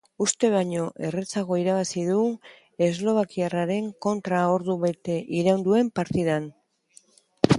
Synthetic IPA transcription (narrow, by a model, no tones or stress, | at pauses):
ust̪e̞βaɲo̞ʔe̞ret͡saɣo̞iɾaβasiðu | e̞zlo̞β̞akiaraɾe̞ŋko̞nt̪ɾao̞ɾðuβet̪eʔiɾawnd̪ue̞mpaɾt̪iðan